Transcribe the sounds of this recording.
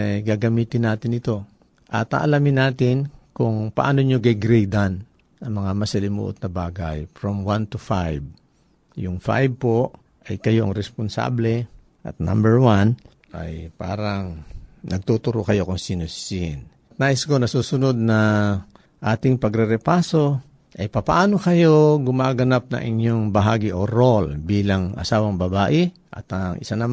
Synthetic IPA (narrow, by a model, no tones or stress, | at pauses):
jɡaɡɐmiːt̪ɪnːaːt̪ɪnɪt̪o̞ | ʔɐt̪a̰ʔɐlamɪnːaːt̪ɪnkʊŋpɐʔaːnoɲoɡɐjɡɾɛjd̪an | ɐŋmɐŋamɐsɪlɪmṵːʔo̰t̪̚nɐbaːɡajfɹomwant̪ufajb̚ | jʊŋfa̰jb̚po̞ | ʔɐjkɐjo̞ʔɐŋɾɛsponsa̰ːblɛ | ʔɐ̰t̪̚na̰mbɛɹwan | ʔa̰jpa̰ːɾɐŋnʔɐɡ̚t̪ut̪ʊɾokɐjo̞kʊŋsiːnossiɪn | t̪̚naːʔɪsko̞nɐsuːsʊno̞d̪̚nɐ | ʔaːt̪ɪŋpɐɡɾɛɾɛpaːso | ʔɐjpɐpɐʔaːnokɐjo̞ɡʊmaːɡɐnap̚nɐ̰ŋʔɪ̰ɲjoŋbɐɦaːɡɪʔoɾolbiːlɐŋɐ̰saːwɐŋbɐbaːʔɪ | ʔɐ̰t̪ɐŋʔɪ̰sanɐm